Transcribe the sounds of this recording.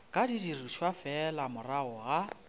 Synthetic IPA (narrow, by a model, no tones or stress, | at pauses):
kʼadidiriʃwafɛlamʊraʊɣa